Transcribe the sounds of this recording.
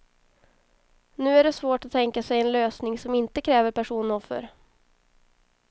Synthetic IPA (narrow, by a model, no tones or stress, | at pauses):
nʉ̟ːæɖɛsvoːʈat̪ʰːɛŋkasɛjɛnløːsnɪŋsɔmɪnt̪əkʰɾɛːvəɾpʰæʂuːnɔfːə̰ɾ